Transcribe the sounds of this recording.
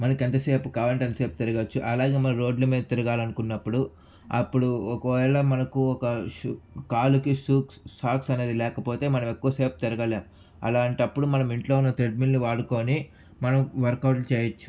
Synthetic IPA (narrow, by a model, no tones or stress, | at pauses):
mɐnɐkent̪ɐseːpukaːʋɐɳʈɐnt̪ɐse̞ːpu̥t̪iɾɐɡɐt͡ʃːuʔɐlaːɡe̞ːmɐnɐmɾo̞ːɖlɐmiːd̪ɐt̪iɾɐɡaːlɐnukunːɐpːuɽu | ɐ̰pːuɽuɔkɐɐlɐmɐnɐkuɔkɐʃukaːlukiʂuːkssaːksɐne̞ːd̪ilɛːkɐpo̞ːt̪e̞ːmɐnɐmekːuʋɐse̞ːpu̥t̪iɾɐɡɐleː | ɐ̰laːɳʈɐpːuɽumɐnɐmiɳʈlo̞ːunːɐt̪ɾeɖminluʋaːɽuko̞ːni | mɐnɐmʋɐɾkɐwʈlut͡ʃɛːjɐt͡ʃːu̥